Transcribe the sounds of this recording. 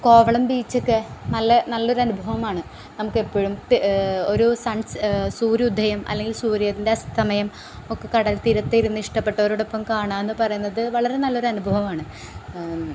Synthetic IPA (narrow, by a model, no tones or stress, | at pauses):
ko̞ːʋɐɭɐmbiːt͡ɕːokːɨnɐlːɐnɐlːo̞ɾuɐnubʱɐʋɐmaːɳɨ | nɐmukːe̞pːoɻum | o̞ɾusɐɳssuːɾiud̪ʱːɐjɐmɐ̰lːe̞ŋɡilsuːɾijɐðinde̞ɐst̪ʰɐmɐjɐm | o̞kːekɐɽɐlt̪ːiɾɐt̪ːiiɾunːuiʂʈɐpːe̞ʈːɐoɾuɽopːɐmkaːɳaːme̞nːɨpɐrɐjun̪ːɐðɨʋɐɭɐɾe̞nɐlːo̞ɾɐnubʱɐʋɐmaːɳɨ